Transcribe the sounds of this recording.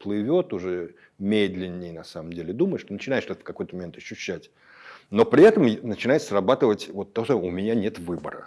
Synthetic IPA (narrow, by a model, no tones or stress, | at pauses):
plˠɨvʲo̞t̪ʊʐɛ | mʲed̪lʲɪnʲːɪjnɐsaməmdʲelʲɪd̪uməjʂt̪onət͡ɕɪnaɪʂt̪ot̪əfkɐko̞jt̪əmɐmʲent̪ɐɕːʉɕːætʲ | no̞pɾʲɪɛt̪əmnət͡ɕɪnajɪsrɐbat̪ɨvətʲvot̪ːɐosmʊmʲɪnʲanʲe̞t̪vɨbə̰ɾə̰